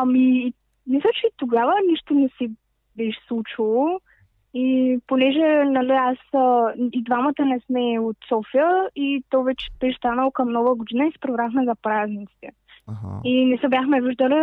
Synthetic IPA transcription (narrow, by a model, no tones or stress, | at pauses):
ɐmiː | mislʲˠət͡ʃɛt̪oɡavəniʃt̪onɛsi | bɛʃslˠut͡ʃilˠo | iponɛʒɛnɐlɛasəid̪vamət̪ənɛsmɛot̪sɔfijəit̪ɔvɛt͡ʃɛ̥bɛʃst̪anəlˠokɐmnɔvəɡod̪inəisɛ̥pɾɛvɾaxmɛzɐpɾaznit̪si̥t̪ɛ | inɛsəbʲjaxmɛviʒd̪əli